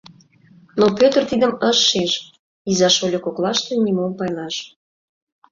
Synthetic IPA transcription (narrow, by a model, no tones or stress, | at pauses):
nopøt̪ərt̪id̪ə̆məʃːiʒ | izɑʃolʲokoklɑʃt̪enʲimompɑjlɑʃ